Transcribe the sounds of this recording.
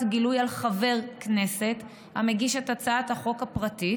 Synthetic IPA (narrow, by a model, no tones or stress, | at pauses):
tɡilujalχave̞ʁkne̞se̞t̪ | ha̰meɡiʃetat͡saat̪haχo̞kapʁati